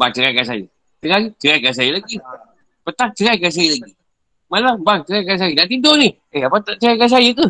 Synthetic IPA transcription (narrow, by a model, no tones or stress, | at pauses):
bat͡ʃəɾajkas̬ajə̰ | t͡ʃəɾat͡ʃəɾakasajəlaɡi | pət̪aŋ̚t͡ʃəɾajkas̬ajəlaɡi | malabaŋt͡ʃəɾakas̬ajədaʔt̪idoni | eapat̪aʔt͡ʃəɾajkas̬ajəku